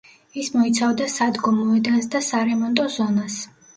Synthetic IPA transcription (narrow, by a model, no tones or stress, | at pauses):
ismɔit̪sʰavd̪asad̪ɡɔmɔɛd̪asd̪asaɾɛmɔnt̪ʼɔzɔnas